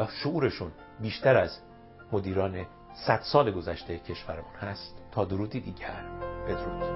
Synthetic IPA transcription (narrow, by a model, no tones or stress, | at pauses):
ʃouːɾe̞ʃuːn | biːʃt̪ʰæɾæz | mo̞d̪iːɾɒːne̞ | sæd̪̥sɒːleɡo̞zæʃt̪ʰejcʰe̞ʃvæɾemuːnhæst̪ʰːɒːd̪oɾuːd̪id̪iːɟæɾb̥e̞d̪oɾṵːd̪̥